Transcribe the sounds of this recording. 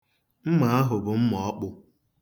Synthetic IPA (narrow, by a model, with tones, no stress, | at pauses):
m̩˦ma˨a˦ɦʊ˨bʊ˨m̩˦mɔ˨ɔ˦k͡pʊ˦